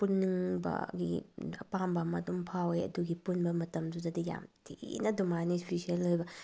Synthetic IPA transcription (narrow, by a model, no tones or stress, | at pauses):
punːiŋbɐ̰ɡḭɐpambɐmɐdumpʰaweɐ̰duɡipunbɐmɐtɐmdudɐdija̰mtʰḭnɐdumanispʰisielojbɐ